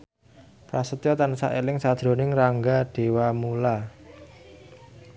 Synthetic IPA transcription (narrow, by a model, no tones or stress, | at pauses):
pɾasət̪jɔt̪ansa̰ʔelɪŋsad̪̥ɾo̤nɪŋraŋɡaɖ̥e̤wamula